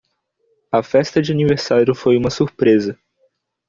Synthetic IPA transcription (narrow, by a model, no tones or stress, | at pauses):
ɐfɛst̪ɐd͡ʒɪaniveɾsaɾjʊfojũmɐsuɾpɾezɐ